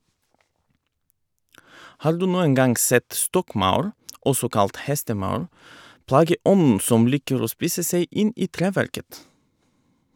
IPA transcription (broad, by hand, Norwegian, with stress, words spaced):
ˈhɑːɾ ˈdʉː ˈnuːəŋ ˈɡɑŋɡ ˈsɛt ˈstɔkˌmɑʉɾ ˈɔsɔ ˈkɑlt ˈhɛstəˌmɑʉɾ ˈplɑːɡəˌʔɔnn̩ ˈsɔm ˈliːkəɾ ˈoː ˈspiːsə ˈseɪ ˈʔɪn ˈʔiː ˈtɾeːˌʋæɾkət